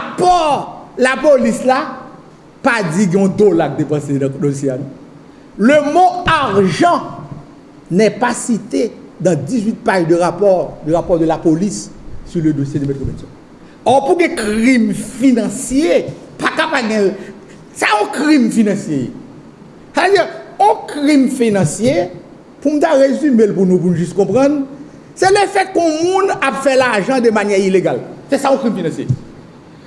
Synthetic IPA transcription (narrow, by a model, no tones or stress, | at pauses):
apɔlapolisla | pad͡ziɡɛ̃ɔ̃d̪olak̚d̪epɐ̃sẽd̪õos̬jeanũ | lømoaʁʒɑ̃ | nɛpasit̪ed̪ãd͡zizɥit̪̚pajd̪əʁapɔdyʁapɔʁd̪ølapolisːyʁlød̪osjed̪əmɛt̪̚kobɛsɔ̃ | ɔpuɡɛ̃kʁimfinɑ̃sje | pakapaɡɛ̃l | saɔ̃kʁimfinɑ̃sjejḛ | saved͡ziʁɔ̃kʁimfinɑ̃sje | pum̩t̪aʁezymelpunũp̬unũʒyskɔ̃pʁɑ̃n | sɛlefɛkɔ̃mũnapfɛlaʒɑ̃d̪əmanjɛʁileɡalsɛsaɔ̃kimfinɑ̃sjḛ